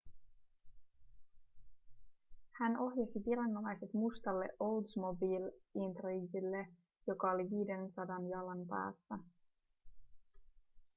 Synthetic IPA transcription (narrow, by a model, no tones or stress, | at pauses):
hæno̞ɦjɑsiʋilɑnːo̞mɑjse̞t̪must̪ɑlːḛʔo̞wld̪smo̞biːlint̪roid̪ilːe | jo̞kɑo̞liʋiːde̞nsɑdɑnjɑlɑnpæ̰ːsːæ